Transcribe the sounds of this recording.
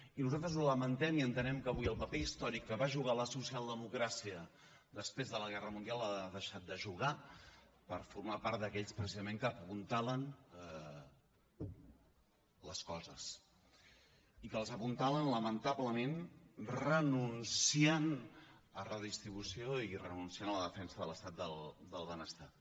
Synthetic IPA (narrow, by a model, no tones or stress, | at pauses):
inuzalt̪ɾəzuləmənt̪ɛmiənt̪ənɛmkəβujəlˠpəpeist̪ɔɾikːəβaʒuɣ̞aləsusialˠd̪əmukɾasiə | d̪əspɾezðələɣɛrəmund̪ialˠaðəʃat̪̚d̪əʒuɣa | pəɾfuɾmapaɾt̪̚d̪əkɛʎspɾəsizəmeŋkəːpunt̪aβlən | ləskɔzəs | ikəlˠzəpunt̪aβənləmənt̪aβləmenrənunsiənərəðist̪ɾiβ̞usioirə̰nunsianələðəfɛnsəðələst̪at̪̚d̪əld̪əlˠβənəst̪a